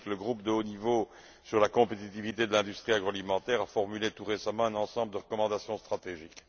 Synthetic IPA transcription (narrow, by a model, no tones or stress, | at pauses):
kləɡʁup̚d̪əonivo | syʁlakɔ̃pet̪it̪ivit̪ed̪əlɛ̃d̪yst̪χiaɡʁoɔalimɑ̃t̪ɛʁafɔʁmylet̪uʁesamɑ̃ɛ̃nɑ̃sɑ̃bləd̪əʁəkɔmɑ̃d̪asjɔ̃st̪χat̪eʒik